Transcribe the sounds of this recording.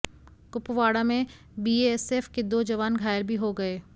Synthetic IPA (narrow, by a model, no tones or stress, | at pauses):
kʊpʋaːɽamẽ | biːeɛseːfked̪oːd͡ʒɐʋaːnɡʱaːjɾbʱiɦoɡɐeː